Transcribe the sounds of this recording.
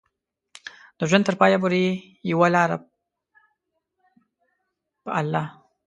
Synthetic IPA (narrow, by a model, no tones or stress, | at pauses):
d̪̥əʒʷant̪əɾpɑːjabuɾi | jiwalaːɾa̰ | b̥alːa